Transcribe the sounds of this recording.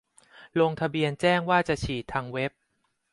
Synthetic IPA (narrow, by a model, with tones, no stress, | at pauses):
lo˧ŋt̪ʰa˧bi˧ənt͡ɕɛː˥˩ŋwaː˥˩t͡ɕa˨˩ʔt͡ɕʰiː˨˩t̪ʰːaː˧ŋwe˦˥p̚